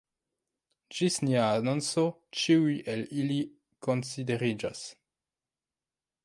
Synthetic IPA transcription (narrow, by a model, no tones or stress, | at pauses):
d͡ʒisniaːnonso | t͡ʃiujʔelili | ko̞nside̞ɾid͡ʒa̰s